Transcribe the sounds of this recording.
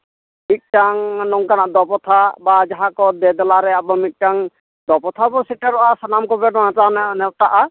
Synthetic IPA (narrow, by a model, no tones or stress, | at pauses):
mik̚taŋnɔŋkanaʔd̪ɔpɔt̪ʰabad͡ʒaɦakɔd̪ɛd̪ɔlaɾɛabɔmik̚taŋ | d̪ɔpɔt̪ʰabɔsitaɾɔʔasanamkɔbɛdɔnatananɛt̪aʔa